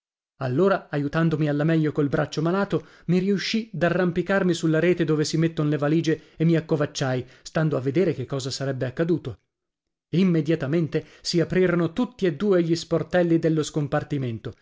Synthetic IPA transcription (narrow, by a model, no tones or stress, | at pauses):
alːoːɾaajut̪and̪omialːamɛʎːokolbɾat͡ʃːomalaːt̪o | miɾiuʃːid̪arːampikarmisulːaɾeːt̪ed̪oːvesimet̪ːonlevaliːd͡ʒeemːiakːovat͡ʃːajst̪and̪oavːed̪eːɾek̟ekːɔːzasaɾɛbːeakːad̪uːt̪o | imːed̪jat̪ament̪e | siapɾiːɾonot̪ut̪ːied̪ːuːeʎːisport̪ɛlːid̪elːoskompart̪iment̪o